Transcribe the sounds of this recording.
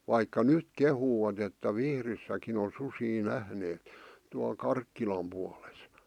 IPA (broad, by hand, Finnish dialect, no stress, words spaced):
ʋɑikːɑ nyt kehuːɑt etːæ ʋihrisːækin on susiː næhneːt tuɑl kɑrkːilɑm puɑles